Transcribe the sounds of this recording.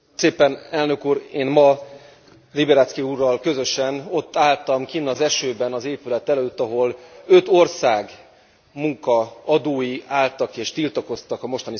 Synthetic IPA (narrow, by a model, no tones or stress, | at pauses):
seːpɛnɛlnø̞kuːɾeːnmɒ | ribɛɾat̪skiuːrːɒlkø̞zø̞ʃɛno̞t̪ːaːlt̪ɒmkiːnːɒzɛʃøːbɛnɒzeːpylɛt̪ɛløːt̪ːɒɦo̞lø̞t̪o̞rsaːɡ | muŋkɒɒd̪oːjiʔaːlt̪ɒkeːʃt̪ilt̪ɒko̞st̪ɒkɒmo̞ʃt̪ɒni